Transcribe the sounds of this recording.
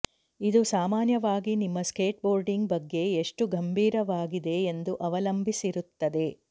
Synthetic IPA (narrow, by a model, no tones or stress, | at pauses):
id̪usaːmaːnjɐʋaːɡinimːɐske̞ːʈ̚bo̞ːɾɖiŋɡbɐɡːe̞ːʂʈuɡɐmbʱiːɾɐʋaːɡid̪e̞ːnd̪uʔɐʋɐlɐmbʱisiɾut̪ːɐd̪e̞